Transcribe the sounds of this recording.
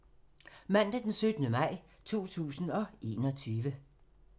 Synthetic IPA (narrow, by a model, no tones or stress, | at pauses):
mæn̰d̥əd̥ensød̥nəmɑ̈ɪ̰ | t͡sʰo̝̰ːt͡sʰṵːsn̩ɒ̽ʔe̝ːnɒ̽t͡sʰyːʋə